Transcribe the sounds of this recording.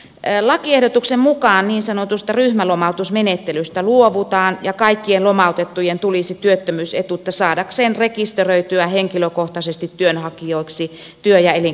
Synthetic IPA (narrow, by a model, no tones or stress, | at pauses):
lɑkiehdot̪uksemmukɑːnniːnsɑnot̪ust̪ɑryhmælomɑut̪usmenet̪ːelyst̪æluoʋut̪ɑːnjɑkɑikːienlomɑˑut̪et̪ːujent̪ulisit̪yøt̪ːømyːset̪uet̪ːæsɑːdɑkseːnrekist̪erøit̪yæheŋkiløkoht̪ɑsest̪it̪tyønhɑkioˑiksi | t̪yøjɑeli